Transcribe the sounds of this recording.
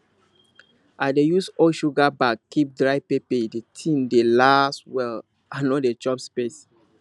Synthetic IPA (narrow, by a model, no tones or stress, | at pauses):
ʔaɪdejusɔʃuɡabakkːip̚dɹaɪpepedetʰĩndelaswɛl | ʔanodet͡ʃɔpspes